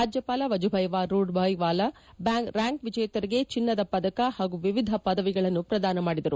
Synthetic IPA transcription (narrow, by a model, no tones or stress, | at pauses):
ɾaːd͡ʒjɐpaːlɐʋɐd͡ʒubʱɐjʋaːɾuːɖbʱɐjʋaːlɐ | bjaːŋkɾaːŋkʋid͡ʒɐjɐt̪ɐɾiɡe̞t͡ʃinːɐd̪ɐpɐd̪ɐkɐhaːɡuʋiʋid̪ʱɐpɐd̪ɐʋiɡɐɭɐnːupɾɐd̪aːnɐmaːɽid̪ɐɾu